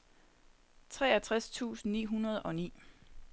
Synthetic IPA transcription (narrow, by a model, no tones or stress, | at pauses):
t͡sʰʁɛːæt͡sʰʁast͡sʰṵːsn̩nḭːɦunɐð̞̩ˠɒ̽nḭː